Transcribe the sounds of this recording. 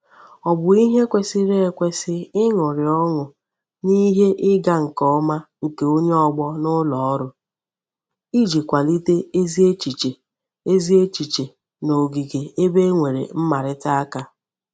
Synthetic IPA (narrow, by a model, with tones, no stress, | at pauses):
ɔ˨bʊ˨i˦ɦe˦kʷe˦sɪ˦ɾe˦e˨kʷe˦sɪ˦ɪ˦ŋʊ˨ɾɪ˨ɔ˦ŋʊ˨ | ni˦ɦe˦ʔɪ˦ɡa˦ŋ̩˨kɔ˦ma˦ŋ̩˨ke˨o˦ɲe˦ɔ˦ɡ͡bɔ˦nʊ˦lɔ˨ɔ˦ɾʊ˦ | i˦d͡ʒi˨kʷa˨li˦te˦e˦zi˦e˦t͡ʃi˨t͡ʃe˨ | e˦zi˦e˦t͡ʃi˨t͡ʃe˨ | no˨ɡi˨ɡe˨e˦be˦ŋʷe˨ɾḛ˨m̩˦ma˨ɾɪ˦ta˦a˦ka˦